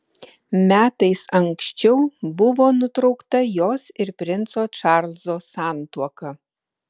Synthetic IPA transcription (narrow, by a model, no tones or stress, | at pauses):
mʲæːt̪ɐɪsɐŋksʲt͡ʃʲɛʊbʊʋoːnʊt̪ɾɒʊkt̪ɐjoːsɪɾpʲɾʲɪnt̪soːt͡ʃɑˑɾlʲˠzoːsɑˑnt̪uɔkɐ